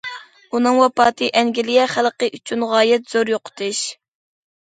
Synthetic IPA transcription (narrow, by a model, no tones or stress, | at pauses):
unɨŋwɑpɑːt̪ʰɨʔɛŋɡʲilijɛχælˠqəʔyt͡ʃʰynʁɑːjɛt̪z̥oɾjoqʰʊ̥t̪ʰɨʃ